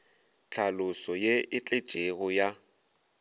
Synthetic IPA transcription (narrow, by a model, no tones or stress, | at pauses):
t͡ɬʰalʊsɔjeɪt͡ɬʼɪ̥t͡ʃʼeɣɔja